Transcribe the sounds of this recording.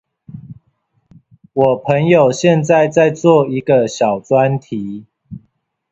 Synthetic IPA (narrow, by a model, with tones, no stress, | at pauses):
wɔ˨˩pʰə˧˦ŋjo˨˩ʊɕjɛ˥˨˧nt͡sa˥˧ɪt͡sa˥˧ɪt͡swɔ˥˨i˨˦ɡə˨ɕjɑ˨˩ʊt͡swa˦nt̪ʰi˨˦